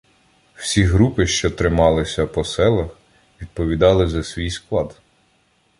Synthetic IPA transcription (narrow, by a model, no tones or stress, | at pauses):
w̥sʲiɦɾupɪʃt͡ʃɔt̪ɾɪmɑlˠɪsʲɐpɔsɛlˠɐx | ʋʲid̪̚pɔʋʲid̪ɑlˠɪzɐsʲʋʲijsklˠɑd̪